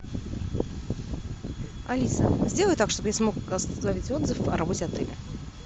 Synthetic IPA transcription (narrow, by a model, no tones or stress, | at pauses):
ɐlʲisə̰zʲd̪ʲe̞lˠəjʊt̪akʂt̪obɨjasmo̞kɡɐsɐvʲitʲo̞d̪zɨfɐ̰ɾɐbo̞tʲɪɐt̪ɛlʲɪ